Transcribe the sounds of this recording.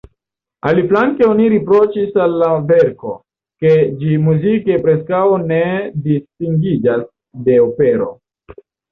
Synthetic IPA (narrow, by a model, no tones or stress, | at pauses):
aliflaŋkeo̞niɾipɾo̞t͡ʃisalːaveɾko̞̰ | ke̞d͡ʒimuzike̞pɾe̞skawne̞distiŋɡid͡ʒas | de̞ope̞ɾo̞̰